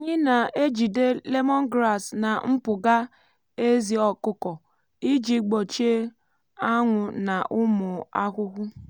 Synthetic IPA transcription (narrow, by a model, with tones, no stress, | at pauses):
ɲɪ˦na˨e˦d͡ʒi˨de˦le˦mɔ˦ŋ˦ɡɾa˨sna˨m̩˦pʊ˨ɡa˦ | e˦zi˨ɔ˨kʊ˦kɔ˨ | i˦d͡ʒi˨ɡ͡bo˨t͡ʃe˦ | a˦ŋʷʊ˨na˨ʔʊ˦mʊ˨a˦kʷʊ˦ɣʷʊ˦